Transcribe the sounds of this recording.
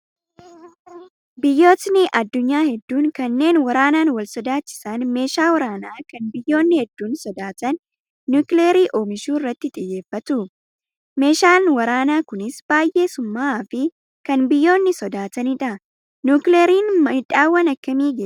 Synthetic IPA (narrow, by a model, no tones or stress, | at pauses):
bɪjːo̞ːt̪nɪʔɐd̪ːʊɲːaːhɛd̪ːuːŋkɐnːe̞ːnwɐɾaːnaːnwɐlsɔd̪aːt͡ʃːɪ̥sɐnme̞ːʃaːwɐɾaːnaːkɐnbɪjːo̞ːnːɪhɛd̪ːuːnsɔd̪aːt̪ɐnː | uːkleːɾiːʔoːmɪʃuːɪrːɐt̪ːɪt̪ʼɪjːe̞ːfːɐt̪ʊ | me̞ːʃaːnwɐɾaːnaːkʊnɪsb̥aːjʔe̞ːsʊmːaːfɪ | kɐnbɪjːo̞ːnːɪsɔd̪aːt̪ɐnɪᶑɐ | nukleːɾiːnmɐhɪᶑaːwːɐnɐkːɐmiːɡeː